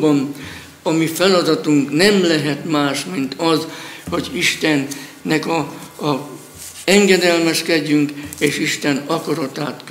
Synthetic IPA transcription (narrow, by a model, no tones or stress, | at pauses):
bɒn | ɒmifɛlɒd̪ɒt̪uŋknɛmlɛɦɛt̪maːʃmint̪ɒzho̞ɟiʃt̪ɛnːɛkɒ | ɛŋɡɛd̪ɛlmɛʃkɛɟːyŋkeːʃiʃt̪ɛnɒkɒɾɒt̪aːt̪k